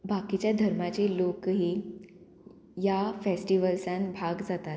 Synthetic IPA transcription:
bakit͡ɕjad̪ʱəɾmat͡ɕelokɦiː | jafesʈiʋəlsãnbʱaɡd͡zat̪at̪

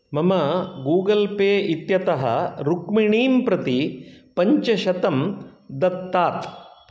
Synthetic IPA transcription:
mɐmɐɡuːɡɐlpeːʔit̪jɐt̪ɐɦɐ̰ɾukmiɳiːmpɾɐt̪ipɐɲt͡ʃɐʃɐt̪ɐmd̪ɐt̪ːaːt̪

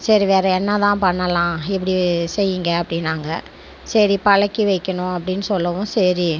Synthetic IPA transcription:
sɐɾiʋeːɾɐɛnːɐt̪ãːpɐɳːɐlãːɪp̬ːɐɽisɛjːɪŋɡɐːpːɐɽɪnːaːŋɡɐ | sɐɾipɐɭɐkːiʋɐɪkːɐɳʊ̃ɐp̬ːɐɽɪnːɯsɔlːɐʋʊ̃sɐɾi

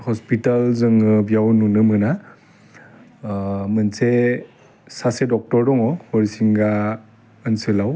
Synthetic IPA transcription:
hɔspitalzɯŋɯbjawnunɯmɯna | mɯnse | sasedɔk̚tɔɾdɔŋɔhɔɾisiŋɡa | ənselaw

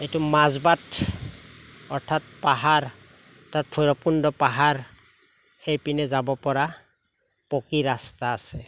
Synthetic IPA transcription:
ejtumazbat | ɔɹtʰat̚paɦaɹ | ɔtʰat̚pʰɔjɹɔpundɔpaɦaɹ | xejpinɛzabɔpɔɹa | pɔkiɹastaːsɛ

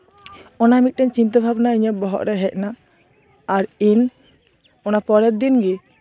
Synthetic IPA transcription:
ɔnamit̪̚ʈɛɲt͡ʃint̪əbʱabnaiɲɔp̚bɔɦɔ̰ʔɾɛɦɛc̚naː | ɾin | ɔnapɔɾɛt̪̚d̪inɡɛ

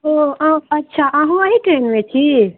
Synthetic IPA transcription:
oãɐtːʃʰaʔãːɦũaɦiʈɾeːnmẽt͡ʃʰi

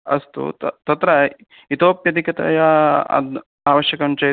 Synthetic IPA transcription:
ɐst̪ṵt̪t̪ɐt̪ɾɐ | it̪oːpjɐd̪ʱikɐt̪ɐ̰jɐ | aːʋɐʃjɐkɐnt͡ʃɐ

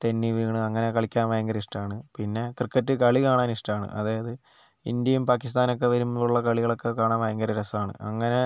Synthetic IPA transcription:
t̪enːiʋiːɳɨɐŋːɐne̞kɐɭikʲːaːnʋɐjɐŋɡɐɾɐiʂʈɐmaːɳɨpinːe̞krɨkːɐtːɨkɐɭikaːɳaːniʂʈɐmaːɳɨ̰ʔɐðaːjɐðɨ | ḭnd̪jɐjumpaːkːis̬t̪aːnok̬ːe̞ʋɐɾumːuɭːɐkɐɭiɣɐɭo̞kːe̞kaːɳaːnʋɐjɐŋɡɐɾɐɾɐsaːɳɨ̰ɐŋːɐne̞

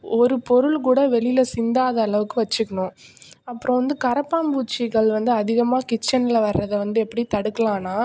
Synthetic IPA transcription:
ɔɾɯpɔɾɯɭk̬uːɽɐʋɛɭɪlɐsɪnd̪aːðɐːɭɐʋɯkːɯʋɐt͡ʃːɯkːɐɳʊ̃ | ɐpːɯɾɔ̃ʋɐnd̪ɯkɐɾɐpːaːmbuːt͡ʃːɪɣɐɭʋɐnd̪ɯɐðɪɣɐmaːkɪt͡ʃːɐnɪlɐʋɐɾːɐðɐʋɐnd̪ɯɛpːɐɽit̪ɐɽɯkːɐlãːnaː

